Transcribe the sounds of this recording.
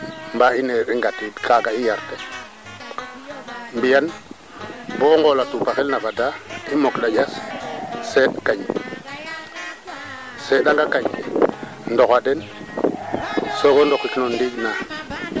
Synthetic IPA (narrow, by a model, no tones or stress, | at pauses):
mbaineɾiŋɡatidkaɡaijaɾte | mbijan | boŋɡolatupaxelnavadaimoklajas | seɗkaɲ | seɗaŋɡakaɲ | ndokaden | sokondokːikinondikna